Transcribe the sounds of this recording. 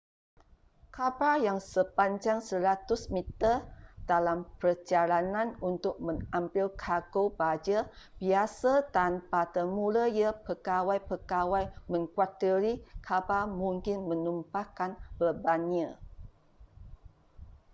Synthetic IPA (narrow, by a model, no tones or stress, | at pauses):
kʰapajaŋsəpaɲd͡ʒaŋsəɾat̪ʊsmit̪ərdalampərd͡ʒalanãnunt̪ʊk̚mə̃ŋampɪlkʰaɡobad͡ʒəbiasatanpat̪əmũləjəpəkawajpəkawajmə̃ŋkwat̪əɾikʰapamũŋkɪnmə̃numpakanbərbaniə